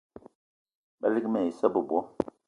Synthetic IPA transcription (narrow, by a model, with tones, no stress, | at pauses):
ba̰˦li˦kmɛ˨i˨sə˦bu˨bɔ˦